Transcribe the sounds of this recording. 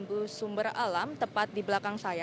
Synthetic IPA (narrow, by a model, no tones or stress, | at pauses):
mbusumbəra̰lamt̪əpat̪̚diblakaŋsaja